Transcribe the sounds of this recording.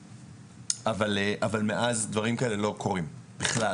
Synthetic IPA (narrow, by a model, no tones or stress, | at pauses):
avaleʔavalme̞ʔazd̪vaʁimkaele̞lo̞kʰo̞ʁimb̥iχla